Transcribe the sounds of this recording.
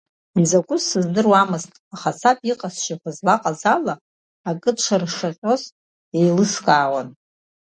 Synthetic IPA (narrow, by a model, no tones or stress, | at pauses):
inzakʷʼʊzsɨzdɨrwamɨztʼaχat͡sʰapʼiqʼasʃaχʷazlaqʼazalaː | kʼɨʈ͡ʂʷʰarʂaχʲʷʼo̞z | ejlɨskʼaːwan